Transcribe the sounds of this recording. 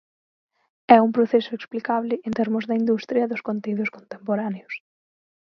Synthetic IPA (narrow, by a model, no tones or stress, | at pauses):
ɛumpɾoθɛsʊeksplikaβlɪʔent̪eɾmʊzðɐind̪ust̪ɾjɐðʊskont̪eiðʊskont̪empoɾaneʊs